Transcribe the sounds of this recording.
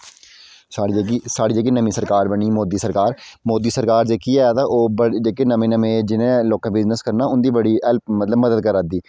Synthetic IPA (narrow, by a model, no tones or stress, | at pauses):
saːɽiːd͡ʒeːk̬iːnəmĩːsəɾkaːɾbəɳiːmoːd̪iːsəɾkaːɾmoːd̪iːsəɾkaːɾd͡ʒeːkiːɛt̪aːʔoːbəd͡ʒeːkeːnəmẽːnəmẽːd͡ʒɪnẽːloːkãːbɪznəskəɾnaːʊnd̪iːbəɽiːɛlpmət̪ləbməd̪əd̪̚kəɾad̪iː